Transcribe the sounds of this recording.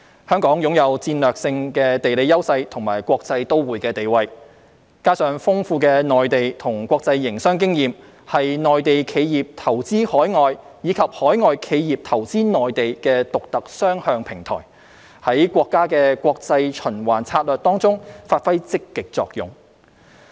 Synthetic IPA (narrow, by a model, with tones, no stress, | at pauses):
hœː˥ŋkɔː˨˥ŋjʊ˨˥ŋjɐ˨˧wt͡siː˧nlœː˨k̚sɪ˧ŋkɛː˧t̪e˨˩jle˨˧jɐ˥wsɐ˧jt̪ʰʊ˨˩ŋmaː˨˩jkʷɔː˧k̚t͡sɐ˧jt̪o˥wwuː˨jkɛː˧t̪e˨jwɐ˧j | kaː˥sœː˨˧ŋfʊ˥ŋfuː˧kɛː˧nɔː˨jt̪e˨jt̪ʰʊ˨˩ŋkʷwɔː˧k̚t͡sɐ˧jːɪ˨˩ŋsœː˥ŋk̬ɪ˥ŋjiː˨m | hɐ˨jnɔː˨jt̪e˨jkʰe˨˧jjiː˨p̚t̪ʰɐ˨˩wt͡siː˥hɔː˨˥jŋɔː˨j | jiː˨˧kʰɐ˨p̚hɔː˨˥jŋɔː˨jkʰe˨˧jjiː˨˩p̚t̪ʰɐ˨˩wt͡siː˥nɔː˨jt̪e˨jkɛː˧t̪ʊ˨k̚t̪ɐ˨k̚sœː˥ŋhœː˧ŋpʰɪ˨˩ŋt̪ʰɔ̰ː˨˩j | hɐ˨˥jkʷɔː˧kːaː˥kɛː˧kʷwʷɔː˧k̚t͡sɐ˧jt͡ʃʰɵ˨˩nwaː˨˩nt͡sʰaː˧t̚lœː˨˩k̚t̪ɔː˥ŋt͡sʊ˥ŋfaː˧t̚fɐ˥jt͡sɪ˥kːɪ˨k̚t͡sɔ̰ː˧k̚jʊ̰˨˩ŋ